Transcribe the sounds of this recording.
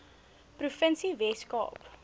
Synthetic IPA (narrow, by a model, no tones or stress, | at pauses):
prufənsivɛskɑ̰ːp